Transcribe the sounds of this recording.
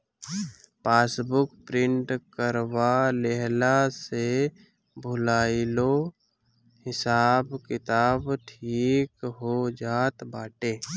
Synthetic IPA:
paːsbʊkpɾɪ̃ɳʈkəɾwaleɦlase | bʱʊlaːɪlo | hɪsaːbkɪt̪aːbʈʰiːkɦod͡ʒaːt̪baːʈeː

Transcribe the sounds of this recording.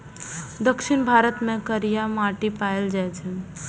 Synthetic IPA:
d̪əkʃɪɳbʱaɾət̪mẽkəɾijamaʈipaeld͡ʒajt͡ʃʰe

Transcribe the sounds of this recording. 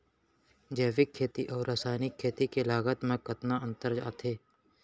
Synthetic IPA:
d͡ʒeːʋɪkʰːeːt̪iʔɔːɾːaːsaːnɪkʰːeːt̪ikelaːɡət̪mẽkət̪naənt̪əɾd͡ʒa̰ːt̪ʰeː

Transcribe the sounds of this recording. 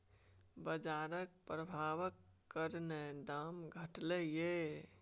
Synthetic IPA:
bəd͡ʒaɾək̚pɾəbʱaʋəkːəɾned̪amɡʱəʈleje

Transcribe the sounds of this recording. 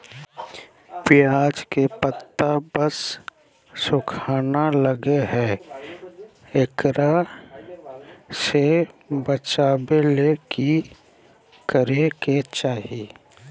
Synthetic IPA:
pɪjaːd͡ʒkepət̪ːabəs | sʊkʰaːnaləɡeɦɛː | ekɾa | sebət͡ʃaːbeleki | kəɾeket͡ʃaːɦiː

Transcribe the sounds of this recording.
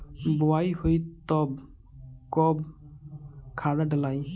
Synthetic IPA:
bɔajhujtɔb̚ | kɔb | kʰaɹadəlaj

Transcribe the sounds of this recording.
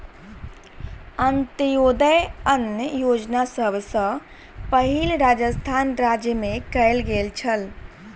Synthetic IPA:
ənt̪əjod̪əjənjəjod͡ʒnasəbsə̃ | pəɦilɾad͡ʒəst̪ʰanɾad͡ʒjəmekəɪlɡelt͡ʃʰəl

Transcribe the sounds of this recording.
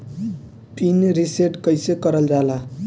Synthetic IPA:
pinɾiseʈkʌjsekʌɾʌld͡zala

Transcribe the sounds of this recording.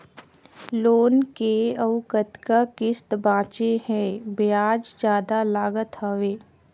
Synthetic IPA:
loːnkeɐʋkət̪kakɪst̪bãːt͡ʃehɛ̃ːbɪjaːd͡ʒd͡ʒjaːd̪alaːɡət̪həʋeː

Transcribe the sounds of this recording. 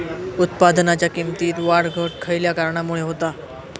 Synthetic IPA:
ut̪pad̪nat͡ɕjakimt̪iːt̪ʋaɽɡʱəʈ̚kʰəjljakaɾɳamuɭeɦot̪a

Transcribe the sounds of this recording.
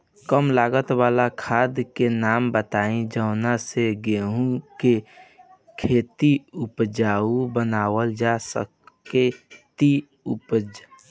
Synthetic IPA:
kəmlaːɡət̪waːlakʰaːd̪kenaːmbət̪aːĩd͡ʒəːnaseɡeɦũke | kʰeːt̪iʊpd͡ʒaːubənaːwəld͡ʒasə̰ket̪i | ʊpd͡ʒ

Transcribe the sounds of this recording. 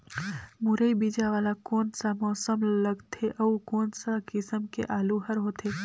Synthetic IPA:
muɾəibid͡ʒaʋaːlakoːnsamɔːsəmləɡt̪ʰeʔɐukoːnsakɪsəmkḛʔaːluɦəɾɦot̪ʰe

